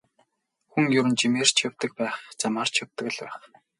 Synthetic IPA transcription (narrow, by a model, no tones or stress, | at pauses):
xuŋjɵɾɘ̆nt͡ɕimeːr̥t͡ɕʰjawt̪ə̆k̚pæːχt͡samaːr̥t͡ɕʰjawt̪ə̆kɘ̆ɮpæ̰ːχ